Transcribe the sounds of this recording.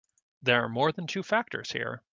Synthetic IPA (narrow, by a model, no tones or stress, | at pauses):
ðə˞aɹmɔɹðə̃ntʰʉfæk̚tʰə̰˞z̥hḭɹ